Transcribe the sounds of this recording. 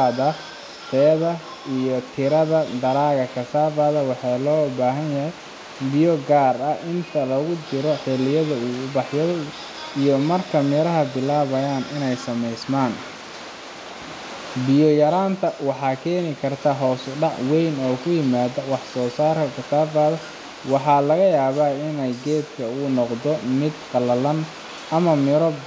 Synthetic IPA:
ðɐ | t̪ʰɛːðɐ | ijɔt̪ʰɪɾɐðɐd̪ɐɾaːɣɐkʰɐsaːβɐːðɐwɑħɑjlɔːbaːɦɐnjɐɦɛj | bɪjɔɡaːrɐʔɪnt̪ʰɐlɔɣʊt͡ʃɪɾɔħɪlɪjɐðɐuːʊbɑħjɔ | ijɔmɐrkʰɐmɛɾɐɦɐbɪlaːβɐjaːnʔɪnɛjsɐmɛjsmaːn | bɪjɔjɐɾaːnt̪ʰɐwɑħɑːkʰɛːnɪkʰɐrt̪ʰɐɦɔːsɖɑʕwɛjnɔːkʰʊjɪmaːðɐwɑħsɔːsaːrkʰɐkʰɐt̪ʰaːfɐːðɐ | wɑħɑːlɐɣɐjaːβaːɪnɛjɡɛːd̪kʰɐʊnɔqd̪ɔmɪd̪qɑlɐlɐn | ɐmɐmɪɾɔ

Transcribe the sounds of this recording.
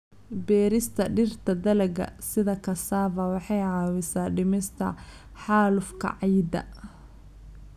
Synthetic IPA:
bɛːɾɪst̪ʰɐɖɪrt̪ʰɐd̪ɐlɐɡɐ̰sɪðɐkʰɐsaːvɐwɑħɑjʕɑːwɪsaːɖɪmɪst̪ʰɐ̰ | ħɑːlʊfkʰɐ̰ʕɑjd̪ɐ̰

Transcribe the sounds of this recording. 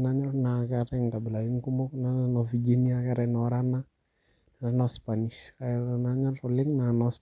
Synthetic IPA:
naɲɔnakɛɾɛŋkabɪlaiŋkumɔknanɔfid͡ʒiniakɛɾɛnɔɾana | naɾanɔspaniskanaɲɔrɔlɪŋnanɔs

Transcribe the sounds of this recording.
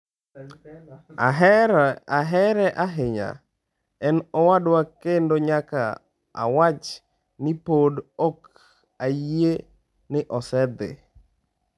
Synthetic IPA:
aɦ | aɦɛɾɛʔaɦɪɲa̰ | ɛnɔwadwakendoɲaka̰ | a̰wat͡ʃ | nɪpodɔk | aje | nɪʔɔsɛd̪ɪ̰

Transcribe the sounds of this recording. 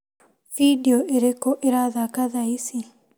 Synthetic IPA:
vidiɔʔeɾekɔʔeɾaðakaðaisi

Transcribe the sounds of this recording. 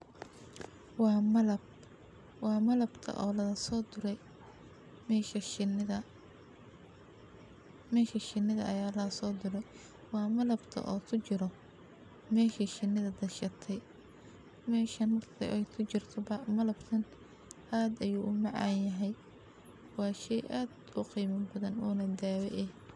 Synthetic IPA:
wɑːmɐlɐb | wɑːmɐlɐbt̪ʰɐ̰ʔɔːlɐðɐsɔːd̪ʊɾɛj | mɛːʃɐnɪðɐ | mɛːʃɐʃɪnːɪðɐʔɐjaːlɐɐsɔːd̪ʊɾɛj | wɑːmɐlɐbt̪ʰɐ̰ʔɔːt̪ʰʊt͡ʃɪɾɔ | mɛːʃiʃɪnːɪðɐd̪ɐʃɐt̪ʰɛj | mɛːʃɐnɐrt̪ʰɐ̰ʔɛjkʰʊt͡ʃɪrt̪ʰɔbɐmɐlɐb̥t̪ʰɐn | ʔaːd̪ɐjuːʔʊmɑʕɑ̰ːnjɐɦɛj | wɑːʃɛjʔaːd̪ | ʊqiːmɐmbɐðɐnɔːnɐd̪aːwɛ̰ʔɛ

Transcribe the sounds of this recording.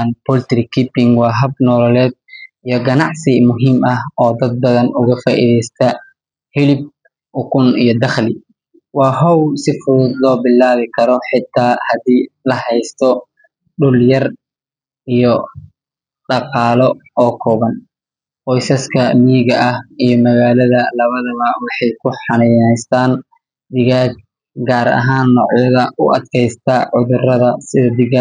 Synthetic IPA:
npɔlt̪ɾɪkʰipɪŋwɑːɦɐbnɔlɔlɛːd̪̚ | ijɔɡɐnɑʕsɪmʊɦimʔɐhɔːd̪ɐd̪̚bɐðɐnʊɣɐfaːʔḭðɛjst̪ʰɐ | hɪlɪb̚ | ʔʊkʰʊnijɔd̪ɐχlɪ | wɑːɦɔwsɪfʊðʊd̪lɔːbɪlːaːβɪkʰɐɾɔħɪt̪ʰːaːhɐd̪iːlɐɦɛjst̪ʰɔ | ɖʊljɐr | ijɔ | ɖɑqɑːlɔɔːkʰɔːβɐn | qɔjsɐskʰɐmiːɣɐʔɐhijɔmɐɣaːlɐðɐlɐβɐðɐβɐwɑħɑjkʰʊħɑnɛjnɛjst̪ʰaːn | d̪ɪɣaːɡ̚ | ɡaːɾɐ̰ɦaːnːɔːʕjɐðɐʔʊʔɐd̪kʰɛjst̪ʰaʕʊðʊrɐðɐsɪðɐd̪ɪɣa

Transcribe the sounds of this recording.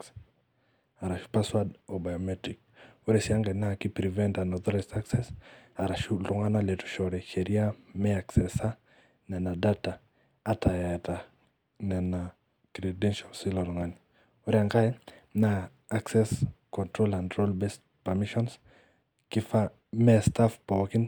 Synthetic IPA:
aɾaʃu̥paswadɔbajɔmɛtɾik̚ | uɾɛsiaŋɡɛnakipɾivɛntanɔðɔɾɛstaksɛsaɾaʃuluŋanalɛtu̥ʃɔɾɛhɛɾiameaksɛsa | nɛnadataː | tʰajata | nɛna | kɾedɛnʃalsiloɾuŋani | ɔɾiaŋkajnaː | ksɛskɔntɾolandɾolbest | pamiʃɔns | kifa | mɛstafpɔkin

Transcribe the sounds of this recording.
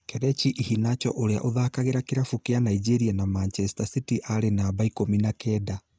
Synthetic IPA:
kɛɾɛt͡ʃiʔihinat͡ʃɔ̰ʔoɾea̰ʔoðakaɣeɾakeɾafukeanaid͡ʒeɾianamant͡ʃɛsi̥tasitiʔaɾenabaikominakɛda

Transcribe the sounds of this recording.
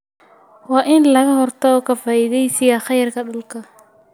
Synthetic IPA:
wɑːʔɪnlɐɣɐhɔrt̪ʰɔɔːkʰɐfaːʔɪðɛjsɪjɐχɑjrkʰɐɖɐlkʰɐ

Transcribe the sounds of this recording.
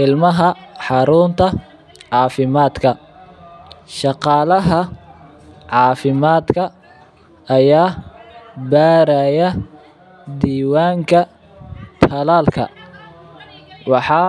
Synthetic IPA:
ʔɪlmɐɦɐħɑɾʊːnt̪ʰɐ | ʕɑːfɪmaːd̪kʰɐ | ʃɑqɑːlɐɦɐ | ʕɑːfɪmaːd̪kʰɐ | ɐjaː | baːɾɐjɐ | d̪iːwaːŋkʰɐ | t̪ʰɐlaːlkʰɐ̰ | wɑħɑː

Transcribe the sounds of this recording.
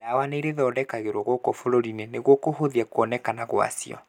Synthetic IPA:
awaneiɾeðɔːdɛkaɣeɾwɔɣwɔkɔfoɾoɾineneɣwɔkoɦoðiɛkoɔnɛkanaɣwa̰sḭɔ̰

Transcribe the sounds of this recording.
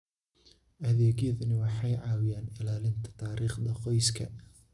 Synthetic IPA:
ʔɐðɛːɣjɐðɐnɪwɑħɑjʕɑːwɪjaːnɪlaːlɪnt̪ʰɐ̥t̪ʰaːɾiːχd̪ɐqɔjskʰɐ̰

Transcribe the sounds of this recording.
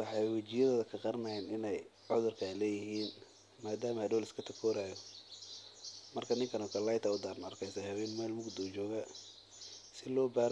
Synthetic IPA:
wɑħɑjwɐt͡ʃɪjɐðɔːðɐkʰɐqɑrmɐɛnɪnɛj | ʕʊðʊrkʰalɛːjɪɦiːn | maːd̪aːmɐhɐdɔːlɪskʰɐt̪ʰɐkʰɔːɾaːjɔ | mɐrkʰɐnɪŋkʰɐnɔkʰɐlɐjt̪ʰɐʊd̪aːrnɐrkʰɛjsɐhɐβɛːnmɛːlmʊɡd̪ɔt͡ʃɔːɣɐ | sɪlɔːbaːɾ

